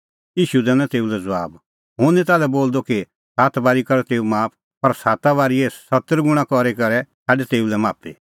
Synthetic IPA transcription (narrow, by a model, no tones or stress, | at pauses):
iːʃud̪ɛːnãt̪eːulɛd͡zʋa̰ːb | ɦʊ̃nɛ̃t̪aːlɛboːld̪oki | saːt̪baːɾikɐɾɛt̪eːumaːpʰ | pɐɾsaːt̪aβaːɾiɛsɐt̪əɾɡʊɽ̃ãkɔɾekɐɾɛsaːɖɛt̪eːulɛmaːpḭ